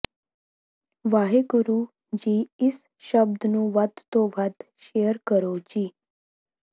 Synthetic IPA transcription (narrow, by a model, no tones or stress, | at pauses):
ʋaɦekuɾu | d͡ʑiis | ɕəbd̪nũːʋad̪t̪oʋat̪ | ɕejəɾkəɾowt͡ɕiː